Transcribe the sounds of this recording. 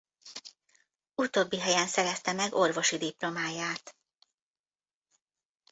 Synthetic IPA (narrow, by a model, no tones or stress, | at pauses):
ut̪o̞ːbːiɦɛjɛnsɛɾɛst̪ɛmɛɡo̞rvo̞ʃid̪iplo̞maːjaːt̪